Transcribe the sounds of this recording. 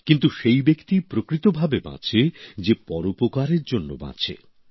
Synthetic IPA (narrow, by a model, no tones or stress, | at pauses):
kint̪uʃejbekt̪ipɾokɾit̪obʱabebã̰t͡ɕʰed͡ʑepɔɾopokaɾeɾd͡ʑonːo̰bã̰t͡ɕʰḛ